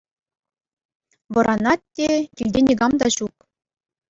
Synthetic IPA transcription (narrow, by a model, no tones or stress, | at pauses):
ʋɤ̆ɾʔɑnɑt̚ʲtʲːekʲilʲdʲenʲiɡɑmd̪ɑɕuk